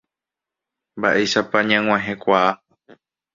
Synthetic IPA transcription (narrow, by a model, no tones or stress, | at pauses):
mbaʔeʃapaɲãŋʷw̃ãɦẽkʷaː